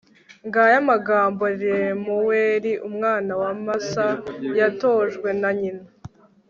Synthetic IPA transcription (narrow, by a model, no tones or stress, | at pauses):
ŋɡajamaɡaːmbo̞ɾiemuweːɾiʔumŋaːnawamasajato̞ːʒɡwe̞naɲina